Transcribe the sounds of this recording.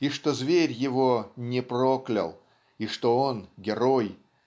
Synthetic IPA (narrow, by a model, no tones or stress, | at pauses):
iʂt̪ozvʲeɾʲjɪvonʲɪpɾoklʲɐ̰lˠ | iʂt̪oonɡʲɪɾoj